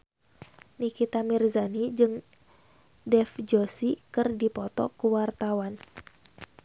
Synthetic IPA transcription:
nikit̪amirzanid͡ʒɨŋ | dɛfd͡ʒosikɨrdipɔt̪ɔ̰kuwart̪awan

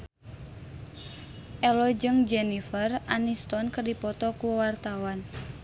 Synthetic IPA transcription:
ʔɛlɔd͡ʒɨŋd͡ʒɛnifəranist̪ɔnkərdipɔt̪ɔkuwart̪awan

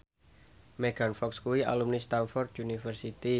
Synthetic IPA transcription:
mɛɡ̥anfɔkskuwia̰lumnist̪anfɔrt̪̚unifərsit̪i

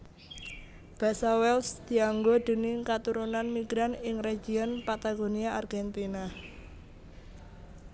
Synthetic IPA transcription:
b̥a̤sawɛlsd̪̥i̤aŋɡod̪̥ə̤nɪŋkat̪uɾunanmiɡ̥ɾanɪŋreɡiɔnpat̪aɡoniaʔarɡ̥ɛnt̪ina

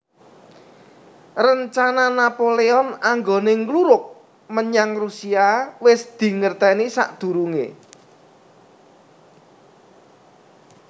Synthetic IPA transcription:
rəɲt͡ʃananapoleɔnaŋɡoneŋluɾʊk̚ | məɲaŋrusiawɪsd̪̥i̤ŋərt̪ɛnisa̰ʔd̪̥ṳɾuŋḛ

